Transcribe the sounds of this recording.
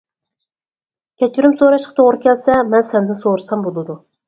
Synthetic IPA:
kʲʰɛt͡ʃʰyɾymsoɾɑʃqɑ̥t̪ʰoʁɾɨkʲɛlsɛmɛnsɛnd̪ɪnsoɾɨsɑmbolˠɨd̪u

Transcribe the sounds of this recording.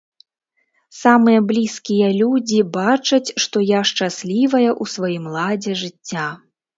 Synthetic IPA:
samɨjɐblʲiskʲijɐlʲud͡zʲibat͡ʂɐt͡sʲʂt̪ɔjaʂt͡ʂasʲlʲivɐjɐʔusvajimlˠad͡zʲɛʐɨt͡sʲːa

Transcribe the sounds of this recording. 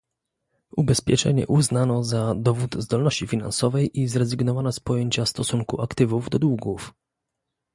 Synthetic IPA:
ubɛspʲjɛt͡ʂɛ̰ɲɛ̰ʔuznanɔzad̪ɔvut̪zd̪ɔlnɔɕt͡ɕifʲina̰nsɔvɛjʔizɾɛzɘɡnɔvanɔspɔjeɲt͡ɕafst̪ɔsuŋkuʔakt̪ɘvuvd̪ɔd̪wuɡuf

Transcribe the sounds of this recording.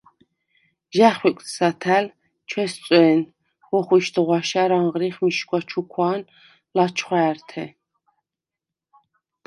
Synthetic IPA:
ʒæχwikʷʼt̪sat̪ʰæl | t͡ʃʰwɛst͡sʼwɛːn | wɔχwiʃd̪ʁwaʃaɾaɴʁɾiχmiʃkwat͡ʃʰukʰwaːn | lat͡ʃʰχwaːɾt̪ʰɛ̰

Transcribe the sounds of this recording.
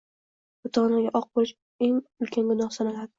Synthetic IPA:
bʊt̪ʰɒʁnaɡʲaʔɒq̚bolɪʃ | eŋʊlkʲʰaŋɡʊnɒhsanalad̪ɪ

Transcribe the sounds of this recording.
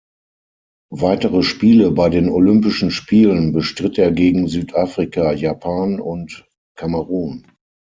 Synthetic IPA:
vaɪtəʁəʃpiːləbaɪdeːnolʏmpɪʃn̩ʃpʰiːlənbəʃtʁ̥ɪteːɐɡeːɡŋ̩zyːtʰʔaːfʁ̥ikajaːpʰaːnʊnt | kʰaməʁuːn

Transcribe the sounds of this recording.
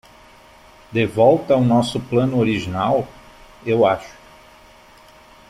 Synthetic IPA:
d̪evɔwt̪ɐwnɔsʊplɐ̃nʊoɾiʒinaw | ewaʃʊ̥

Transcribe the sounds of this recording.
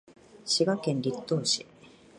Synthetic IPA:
ɕiɡakẽnɾʲit̪ːoːɕi

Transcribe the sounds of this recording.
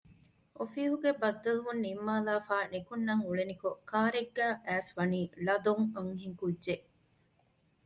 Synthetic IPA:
ʔofiːɦuɡebɐd̪ːɐluʋunːimːaːlaːfaːnekunːɐŋuɭenikokʰaːɾeɡːæːʔæːsʋɐniːlɐd̪oŋɐŋɦiŋkudʒeʔ

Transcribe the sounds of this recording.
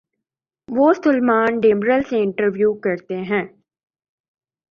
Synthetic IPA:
ʋoːsʊlmaːnɖeːmɾəlseɪ̃ɳʈəɾʋjuːkɐɾt̪eɦɛ̃ː

